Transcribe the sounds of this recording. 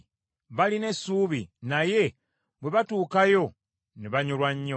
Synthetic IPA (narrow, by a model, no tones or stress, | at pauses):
βaline̞suːβḭnaje̞ | bwe̞βatuːkajo̞ | neβaɲolwaɲːo